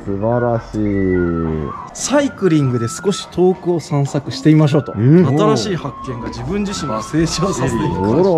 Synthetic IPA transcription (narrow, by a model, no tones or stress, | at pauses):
sɨbaɾaɕiː | saikɯ̟ɾʲĩŋɡɯ̟d̪e̞sɨ̥ko̞ɕi̥t̪ʰo̞ːkɯ̟o̞sãɰ̃sakɯ̟ɕi̥t̪e̞imaɕ̬o̞ːt̪o̞at̪aɾaɕiːhakːẽ̞ŋɡad͡ʑibɯ̟̃ɲ̟d͡ʑiɕĩŋase̞ːɕiosae